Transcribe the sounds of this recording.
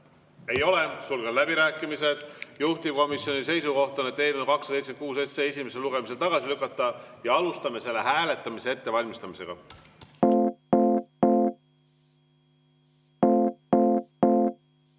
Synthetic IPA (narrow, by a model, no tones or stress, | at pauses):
e̞jo̞le̞sulɡed̪læbiɾæːkːˑimise̞d̪̥juht̪ib̥̚ko̞misjo̞nise̞jsuko̞ht̪ɑnet̪ːejlonkɑksɑsejt̪sekuːsesːeːesime̞se̞luɡ̥e̞mis̬e̞lt̪ɑɡ̥ɑsilykːˑɑt̪ˑːɑjɑɑlust̪ɑme̞se̞lːe̞ɦæːle̞t̪ːˑɑmise̞et̪ːe̞vɑlʲmist̪ɑmise̞̰ɡ̥ɑ̰